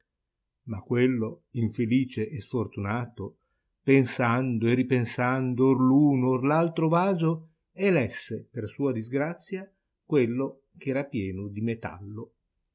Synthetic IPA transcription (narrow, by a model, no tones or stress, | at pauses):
makːwelːo | iɱfeliːt͡ʃeʔːsfort̪unaːt̪o | pensand̪oeripensand̪oorluːnoorlalt̪ɾovaːzo | elɛsːepersuːad̪izɡɾat̪sːja | kwelːo | k̟ɛːɾapjɛːnod̪imet̪a̰lːo